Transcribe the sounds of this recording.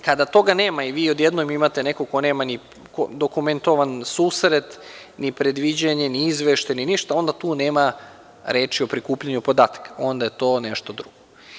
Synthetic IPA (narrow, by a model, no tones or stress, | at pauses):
kad̪at̪o̞ɡaneːmaiʋiːod̪jed̪nomimat̪e̞nekoko̞neːmani | kod̪okument̪o̞ʋansuːsɾet̪ | nipɾe̞d̪ʋid͡ʑaɲeniizʋeʃt̪eniniʃt̪ao̞nd̪at̪uːneːma | ɾeːt͡ʃiopɾikuːpʎaɲupo̞d̪aːt̪ḁkḁo̞nd̪ajet̪o̞ːneʃt̪od̪ɾuɡ̥o